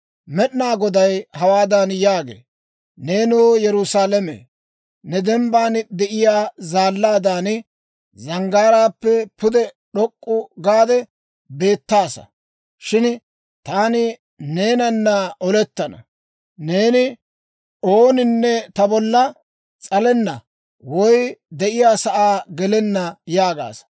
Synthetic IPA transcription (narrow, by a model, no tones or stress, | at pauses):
mɛɗɪnaːɡɔd̪ɐjhɐwaːd̪anjaːɡḛː | ne̞ːnuːjɛɾʊsaːlɛmḛː | nɛd̪ɛmbaːnd̪ɛʔɪjaːzaːlːaːd̪aːn | zɐŋɡaːɾaːpːɛpʊd̪ɛ | ɗɔkʼːʊɡaːd̪ɛ | be̞ːt̪ːaːsɐ̰ | ʃɪn | t̪aːnɪ | ne̞ːnɐnːaʔɔlɛt̪ːɐnɐ | ne̞ːnɪ | oːnɪnːɛt̪ɐbɔlːɐ | t͡sʼɐlɛnːɐ | wɔjd̪ɛʔɪjaːsɐʔaːɡɛlɛnːɐjaːɡa̰ːsɐ̥